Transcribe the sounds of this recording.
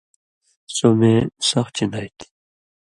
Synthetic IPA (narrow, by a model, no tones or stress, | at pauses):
somesʌxt͡ɕʰinajt̪ʰi̥